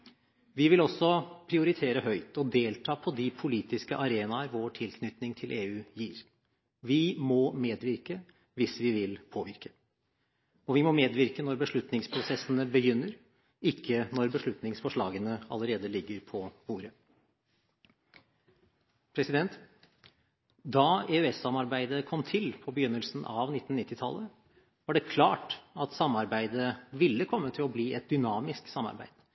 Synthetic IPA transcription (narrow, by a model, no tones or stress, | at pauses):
ʋɪʋɪlɔsːɔpʰɾɪʊɾɪt̪ʰeːɾəɦœʏt̪ɔd̪eːlt̪ʰɑːpʰɔd̪ɪpʰʊliːt̪ɪskəʔɑɾeːnɑɾʋoːʈʰɪlkʰnʏt̪nɪŋt̪ʰɪlʔeːʉːjiːɾ | ʋɪmɔmeːd̪ʋɪɾkə | ʋɪsʋɪʋɪlpʰoːʋɪɾkə̥ | ɔʋɪmɔmeːd̪ʋɪɾkənɔɾbəʂɭʉt̪nɪŋspʰɾʊsɛsənəbəjʏnːəɾ | ɪkʰːənɔɾbəʂɭʉt̪nɪŋsfɔʂɭɑːɡənəɑ̰ləɾeːd̪əlɪɡːəɾpʰɔbuːɾə | pʰɾɛsɪd̪ɛnt̪ | d̪ɑeøɛsːɑmɑɾbæɪd̪əkʰɔmt̪ʰɪlpʰɔbəjʏnːəlsn̩ʔɑ̰ʋnɪt̪ːn̩ːɪt̪ːɪt̪ʰɑ̰lːə | ʋɑɖɛkʰlɑːʈɑt̪sɑmːɑɾbæɪd̪əʋɪlːəkʰɔmːət̪ʰɪlɔbliːʔɛt̪̚d̪ʏnɑːmɪsksɑmːɑ̰ɾbæ̰ɪd̪̥